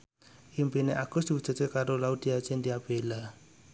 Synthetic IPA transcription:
ʔimpineʔaɡ̥ʊsd̥̪iwu̥d͡ʒ̥ə̤t͡ʃekaɾolaud̪̥iat͡ʃend̪iab̥ela

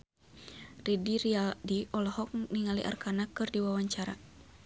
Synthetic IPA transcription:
ridiɾialdiʔɔlɔhɔk̚niŋaliʔa̰rkanakɨrdiwawaɲt͡ʃaɾa̰

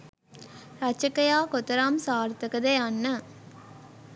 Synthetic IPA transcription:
ɾɐt͡ʃːɐkːɐjaːkɔt̪ːɐɾaːmsaːɾt̪ɐkːɐðejanːɐ

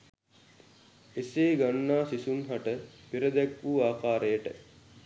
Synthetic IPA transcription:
eseːɡanːaːsisumɦaʈəpiɾəd̪ækʋuːaːkaːɾəjəʈə

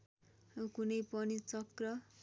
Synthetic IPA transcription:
kunʌjpʌnit͡sʌkrʌ

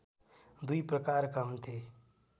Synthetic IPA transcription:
d̪uipɾəkaːɾkamt̪ʰeː

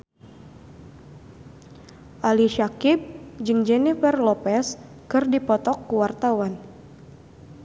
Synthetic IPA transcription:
ʔaliʃakip̚d͡ʒɨŋd͡ʒɛnifɛrlɔpɛs | kɨrdipɔt̪ɔkːuwart̪awan

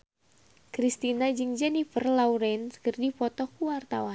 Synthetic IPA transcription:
kɾist̪inad͡ʒɨŋd͡ʒɛnifərlauɾɛnskɨrdifɔt̪ɔkuwart̪awan

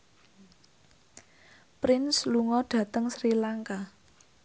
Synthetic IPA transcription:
pɾɪnsluŋɔɖ̥ä̤t̪əŋsɾilaŋka

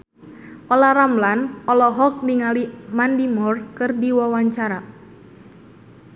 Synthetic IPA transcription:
ʔɔlaɾamlanɔlɔɦɔk̚niŋalimandimɔrkɨrdiwawaɲt͡ʃaɾa

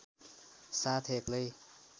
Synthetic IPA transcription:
sat̪ʰekli

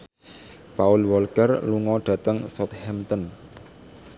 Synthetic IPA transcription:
paʊlwɔlkərluŋɔɖ̥ä̤t̪əŋsɔt̪hɛmt̪ɔn

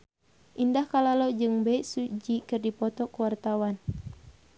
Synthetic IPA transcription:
ʔindahkalalod͡ʒɨŋbɛisud͡ʒikɨrdipɔt̪ɔkuwart̪awan

